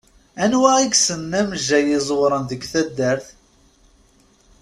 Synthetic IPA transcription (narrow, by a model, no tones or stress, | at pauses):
ænwæiɡsənːæməʒæjɪzˤwɾˤənðəɡθæd̪ːəɾθ